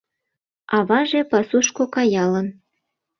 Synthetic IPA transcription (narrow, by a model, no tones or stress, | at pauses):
ɑβɑʒepɑsuʃkokɑjɑlə̆n